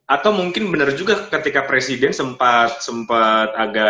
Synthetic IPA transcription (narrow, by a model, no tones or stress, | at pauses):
ʔat̪awmuŋkɪnbənərd͡ʒuɡakət̪ikapɾesidɛnsəmpat̪̚səmpat̪̚aɡa